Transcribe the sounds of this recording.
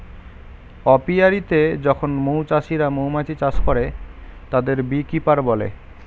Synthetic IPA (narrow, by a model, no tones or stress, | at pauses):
ɔpiaɾit̪ed͡ʑɔkʰonmowt͡ɕaʃiɾamowmat͡ɕit͡ɕaʃkɔɾet̪ad̪eɾbikipaɾbɔlḛ